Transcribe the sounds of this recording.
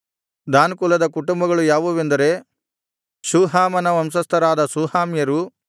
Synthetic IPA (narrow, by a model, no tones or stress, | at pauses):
d̪aːnkulɐd̪ɐkuʈumbɐɡɐɭujaːʋuʋe̞nd̪ɐɾe̞ | suːɦaːmɐnɐʋɐmsɐst̪ʰɐɾaːd̪ɐsuːhaːmjɐɾu